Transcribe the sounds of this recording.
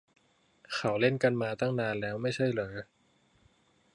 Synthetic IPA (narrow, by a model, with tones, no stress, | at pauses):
kʰa˨˦wle˥˩nka˧nmaː˧t̪a˥˩ŋnaː˧nlɛː˦˥wma˥˩jt͡ɕʰa˥˩jlɤː˩˦